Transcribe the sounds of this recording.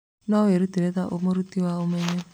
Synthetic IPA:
nɔweɾut̪iɾet̪aʔomoɾut̪iwaomeme

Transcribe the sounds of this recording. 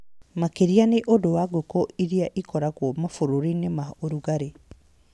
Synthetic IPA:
makeɾianeʔodowaɡokoʔiɾiaʔikɔɾaɣwɔmafoɾoɾinemaoɾuɣaɾe

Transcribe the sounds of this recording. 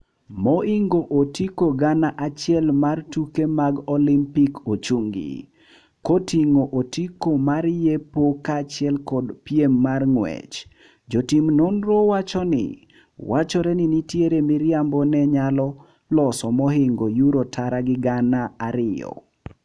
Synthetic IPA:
mɔiŋɡoʔotikoɡanaʔat͡ʃɪɛlmartukemaɡɔlimpikot͡ʃuŋɡḭ | kotiŋoʔotikomarjepokat͡ʃɪɛlkɔdpiemːarŋwɛ̰t͡ʃ | d͡ʒotimnonɾowat͡ʃɔnɪ̰ | wat͡ʃɔɾɛnɪnitjeɾemiɾjambɔnɛɲalɔ | lɔsɔmɔɦɪŋɡojuɾotʰaɾaɡɪɡanaaɾɪɔ̰

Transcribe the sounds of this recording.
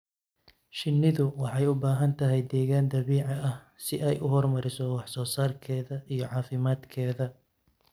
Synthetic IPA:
ʃɪnːɪðʊwɑħɑjʊbaːɦɐnt̪ʰɐɦɛjd̪ɛːɣaːnd̪ɐβiːʕɑɐh | sɪʔɛjʔʊɦɔrmɐɾɪsɔwɑħsɔːsaːrkʰɛːðɐʔijɞʕɑːfɪmaːd̪kʰɛːðɐ

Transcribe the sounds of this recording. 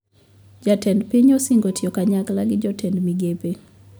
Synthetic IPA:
d͡ʒatɛndpiɲɔsɪŋɡotjɔkaɲaklaɡɪd͡ʒɔtʰɛndmiɡepe

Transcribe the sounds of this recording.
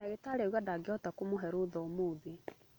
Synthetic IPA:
aɣetaɾeɣadaɡeɔtakomoɦɛɾoðɔːmoːðe

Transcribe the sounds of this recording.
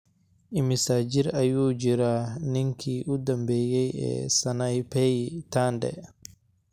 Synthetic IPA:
ʔɪmɪsaːd͡ʒiɾajuːd͡ʒiɾanɪŋkʰiːʔud̪ɐmbɛːjɛjɛ̰sɐnajpɛjt̪aːndɛ̰

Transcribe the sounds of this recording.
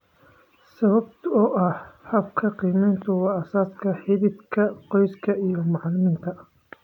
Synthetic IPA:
sɐβɐbt̪ʰɔːʔɐhħɐb̚kʰɐqiːmɛjnt̪ʰʊwɑːɐsaːskʰɐħɪβɪd̪kʰɐqɔjskʰɐijɔmɑʕlɪmiːnt̪ʰɐ

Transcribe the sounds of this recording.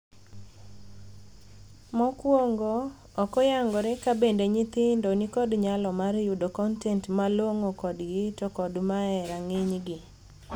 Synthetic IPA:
mɔkwoŋɡoː | kɔjaŋɡɔɾɛkabendeɲɪt̪ɪndonikɔdɲalɔmaɾjudokɔntɛntmalwoŋokɔdɡɪtɔkɔdmaɛɾaŋɪɲɡɪ

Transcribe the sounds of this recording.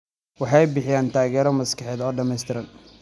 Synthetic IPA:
wɑħɑjbɪħɪjaːnt̪ʰaːɣɛːɾɔmɐskɑħɛːðɔːɖɐmɛjst̪ʰɪɾɐn

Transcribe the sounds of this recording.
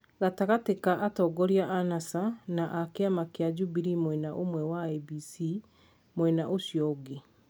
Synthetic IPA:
ɣataɣatekaʔatɔɡɔɾiaʔanasanaʔakeamakead͡ʒubiɾimwɛnaʔomwɛwabisi | mwɛnaʔoʃjɔɡe

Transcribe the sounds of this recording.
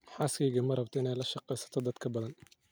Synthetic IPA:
ħaːskʰɛjɣɐmɐrɐbt̪ʰɔɪnɛjlɐʃɑqɛjsɐ̥t̪ʰɔd̪ɐd̪kʰɐbɐðɐn

